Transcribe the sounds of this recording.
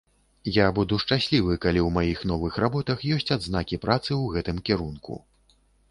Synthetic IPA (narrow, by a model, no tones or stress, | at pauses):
jabud̪uʂt͡ʂasʲlʲivɨkalʲiwmajixnɔvɨxɾabɔt̪ɐxjɔsʲt͡sʲad̪znakʲipɾat̪sɨwɣɛt̪ɨmkʲɛɾunkṵ